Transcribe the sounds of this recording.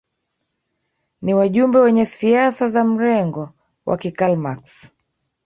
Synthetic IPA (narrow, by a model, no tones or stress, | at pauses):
niwaʄumbɛwɛɲɛsiasazam̩ɾɛŋɡɔ | wʔa̰kikalmaks